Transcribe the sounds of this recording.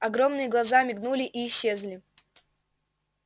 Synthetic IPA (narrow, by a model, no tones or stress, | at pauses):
ɐɡɾo̞mnɨjəɡlˠɐzamʲɪɡnulʲɪʔiːɕːezlʲɪ